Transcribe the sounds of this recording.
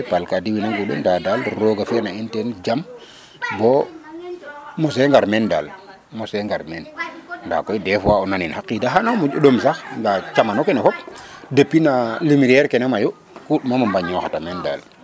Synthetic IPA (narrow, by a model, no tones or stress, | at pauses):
palkadiwinaŋɡuɗṵndadalɾoɡafiɾnaintend͡ʒam | bɔ | mos̬eŋɡaɾmenda̰l | moseŋɡaɾmenda̰kojdefwaonaninhakːidaɦanamud͡ʒuɗomsaxŋɡat͡ʃamanokenefɔp̚depːinalimiɾɛɾkenemaju | kuɗmamambaɲɔxatamenda̰l